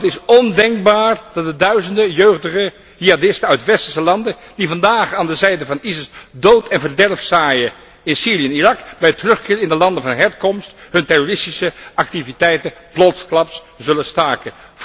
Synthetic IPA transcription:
ətɪsɔndɛŋk̚baːɹd̥ɑt̚dədœɥzəndəjøɥχdəχə | hiadɪstənœɥtʋɛstəɹsəlɑndə | d̥ivɑndaːχaːndəzɛjdəvɑnizɪsdowtʰɛnvəɹdɛrfsaːjə | ɪnsiːriɛnirɑkbɛjtərɵχkɪːɹɪndəlɑndəvɑnɦɛɹkɔmstɦɵntɛrorɪstisəʔɑktivitɛjtəplɔtsklɑps | zɵləstaːɹkə

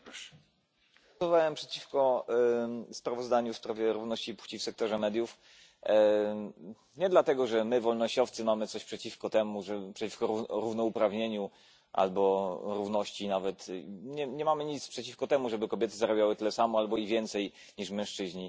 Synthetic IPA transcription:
ɔvawɛmpʂɛt͡ɕifkɔ | spɾavɔzd̪aɲufspɾavʲjɛɾuvnɔɕt͡ɕipu̥t͡ɕifsɛk̚t̪ɔʐɛmɛd̪ʲjuf | ɲɛd̪lat̪ɛɡɔʐɛmɘvɔlnɔɕt͡ɕɔft̪sɘmamɘt̪ɔɕpʂɛt͡ɕifkɔt̪ɛmuʐɛpʂɛt͡ɕifkɔɾuɾuvnɔupɾavɲeɲu | ʔa̰lbɔɾuvnɔɕt͡ɕinavɛt̪ɲɛɲɛmamɘɲit̪spʂɛt͡ɕifkɔt̪ɛmuʐɛbɘkɔbʲjɛt̪ɘzaɾɔbʲjawɘt̪ɘlɛsamɔalbɔivʲjɛnt̪sɛj | ɲiʐmɛ̃w̃ʂt͡ʂɘʑɲi

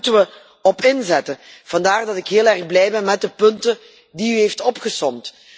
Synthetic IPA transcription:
təʋə | ɔpɪnzɛtəv̥ɑndaːrdɑtɪkɦɪːlɛrɣblɛjbɛnmɛt̚dəpɵntə | diyɦeftɔpχəsɔmt

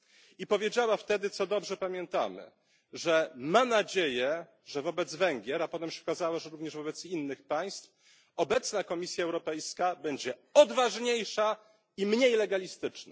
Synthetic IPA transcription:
ipɔvʲjed͡ʑawaft̪ɛd̪ɘt̪sɔd̪ɔbʐɛpamʲjɛnt̪a̰mɘ̰ | ʐɛmanad͡ʑejɛ | ʐɛvɔbɛd̪zvɛŋɡʲjɛɾapɔt̪ɛmɕɛɔkazawaʐɛɾuvɲɛʐvɔbɛt̪sinːɘxpaj̃st̪f | ɔbɛt̪snakɔmʲisʲjaɛwɾɔpɛjskabɛɲd͡ʑɛɔd̪vaʐɲejʂa | imɲejlɛɡalʲist̪ɘt͡ʂna̰

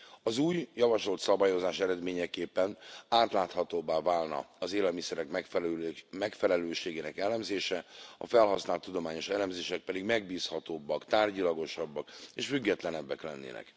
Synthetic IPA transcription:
ɒzuːjjɒvɒʃo̞lt̪sɒbaːjo̞zaːʃɛɾɛd̪meːɲɛkeːpːɛnaːt̪laːt̪hɒt̪oːbaːvaːlnɒ̰ɒzeːlɛlmisɛɾɛkmɛ | mɛkfɛlɛløːʃeːɡeːnɛkɛlɛmzeːʃɛɒ̰fɛlɦɒsnaːlt̪ːud̪o̞maːɲo̞ʃɛlɛmzeːʃɛk̚pɛd̪iɡmɛɡ̚biːshɒt̪oːbːɒkt̪aːrɟilɒɡo̞ʃɒbːɒkeːʃfyɡːɛt̪lɛnɛbːɛklɛnːḛːnɛ̰k

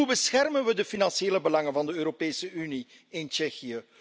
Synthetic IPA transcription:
ubəsxɛrmənʋədəfinɑnsjeːləbəlɑŋənvɑndəøːɾopeːsəʔyni | ɪnt͡ʃɛxiə

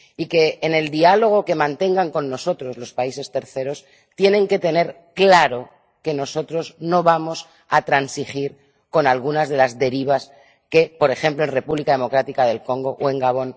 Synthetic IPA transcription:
ike̞ːne̞ld̪ialo̞ɣ̞o̞ke̞mãnt̪e̞ŋɡaŋko̞nːo̞so̞t̪ɾo̞zlo̞spaise̞st̪e̞ɾθe̞ɾo̞s | t̪je̞nẽ̞ŋke̞t̪e̞ne̞ɾ | klaɾo̞ | ke̞no̞so̞t̪ɾo̞zno̞βamo̞s | at̪ɾansixiɾ | ko̞nalɣ̞unazðe̞lazðe̞ɾiβ̞as | ke̞po̞ɾe̞xẽ̞mplo̞e̞nre̞puβlikaðe̞mo̞kɾat̪ikaðe̞lko̞ŋɡo̞ʔwe̞ŋɡaβ̞o̞n

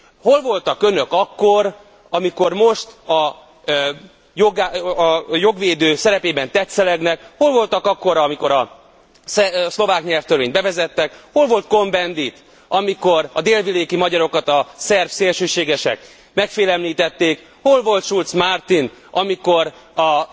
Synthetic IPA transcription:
ho̞lvo̞lt̪ɒkø̞nø̞kɒkːo̞r | ɒmiko̞rmo̞ʃt̪ɒ | joɡa | jo̞ɡʋeːd̪øːsɛɾɛpeːbɛnt̪ɛt̪sɛlɛɡnɛkho̞lvo̞lt̪ɒkɒkːo̞ɾɒmiko̞ɾɒ | sslo̞vaːkɲɛlft̪ørveːɲbɛvɛzɛt̪ːɛkho̞lvo̞lt̪̚ko̞mbɛnd̪it̪ | ɒmiko̞ɾɒd̪eːlvileːkimɒɟɒɾo̞kɒt̪ɒsɛrfseːlʃøːʃeːɡɛʃɛ̰k | mɛkfeːlɛmliːt̪ɛt̪ːeːk | ho̞lvo̞lt̪ʃult̪smart̪in | ɒmiko̞r | ɒ

